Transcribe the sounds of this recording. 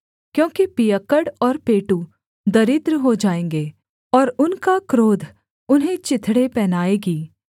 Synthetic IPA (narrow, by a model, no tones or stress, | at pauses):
kjõːkipijəkəɽɔːɾpeːʈu | d̪ɐɾɪt̪ɾɦod͡ʒaːẽːŋɡeː | ɔːɾʊnkakɾoːd̪ʱ | ʊnɦẽt͡ʃɪt̪ʰɽepɛːnaːeːɡiː